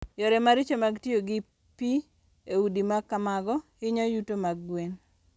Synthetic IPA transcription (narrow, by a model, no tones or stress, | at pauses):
jɔɾɛmaɾɪt͡ʃomaɡtjoɡɪ | pi | eudimakːamaɡɔ | ɪɲɔjutomaɡwen